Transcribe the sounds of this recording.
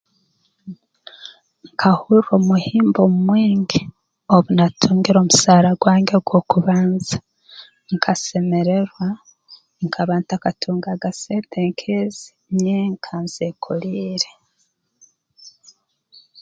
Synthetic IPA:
ŋkʰahuɾomuhiːmbomumwiːŋɡi | oβunatʰuːŋɡiɾo̞ːmusaːɾaɡwaːŋɡe̞ɡwo̞kuβaːnzḁ | ŋkʰase̞me̞ɾe̞ɾwa | ŋkʰaβaːntakatʰuːŋɡaɡaseːnteŋkʰezi̥ | ɲeŋkʰanzekʰoliːɾe

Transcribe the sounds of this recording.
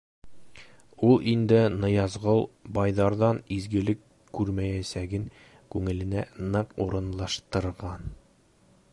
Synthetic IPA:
ulˠind̪ɘnɤ̆jɑzʁɤlˠbɑjðɑɾðɑnizɡɘ̆lɘkː | ʉɾmæjæsæɡɘŋ | kʉŋɘ̆lɘ̆nænɤquɾɤ̆nlˠɑʃt̪ɤ̆ɾʁɑn

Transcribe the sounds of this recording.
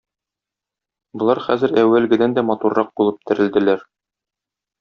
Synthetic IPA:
bŏlˠɑɾχæzɘɾæwːælɡɘ̆d̪ænd̪æmɒt̪urːɑq̚bulˠɤp̚t̪ʰɘ̆ɾɘ̆ld̪ɘ̆læɾ

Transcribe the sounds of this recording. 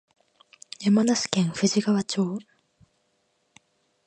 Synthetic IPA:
jemanasi̥kẽŋɸɯʑiɡaβat͡ɕoː

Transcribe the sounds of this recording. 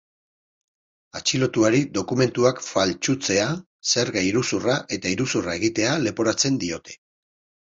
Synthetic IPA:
at͡ʃilo̞t̪uaɾid̪o̞kume̞nt̪uakfalt͡ʃut͡se̞a | se̞ɾɣaiɾusuraʔe̞t̪aiɾusurae̞ɣit̪e̞ale̞po̞ɾat͡se̞nd̪io̞t̪e̞̥

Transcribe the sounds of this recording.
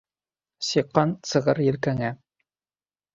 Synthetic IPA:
sɤqːɑnsɤ̆ʁɤɾjɘ̆lkæŋæ

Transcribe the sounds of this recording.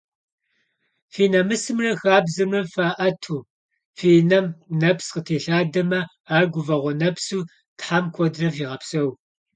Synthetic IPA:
fiːnɐmɨsɨmrɐxaːbzɨmɨfaːʔɐtʰuː | fiːnɐmnɐpsqətʰeːɬaːdɐmɐ | aːrɡʷʊvɐʁʷɔnɐpsuː | tħamkʷʰɔdrɐfiːʁɐpsɐw

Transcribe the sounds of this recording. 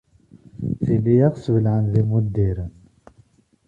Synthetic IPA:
θilijaʁsvəlʕənðimud̪ːiɾən

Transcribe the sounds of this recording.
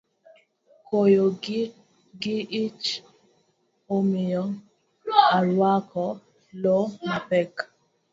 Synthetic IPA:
kʰojo | ɡɪʔit͡ʃ | omɪjɔ | aɾwakʰɔ | lonapɛk

